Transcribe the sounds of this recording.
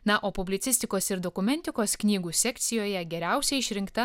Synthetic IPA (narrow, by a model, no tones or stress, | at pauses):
nɐʔoːpʊbʲlʲɪt̪ʲɪsʲt̪ʲɪkoːsɪɾd̪okʊmʲɛnʲt̪ʲɪkoːsknʲiːɡuːsʲɛkʲt̪sʲɪjoːjɛɡʲɛɾʲæˑʊsʲɛɪɪʃʲɾʲɪŋkt̪ɐ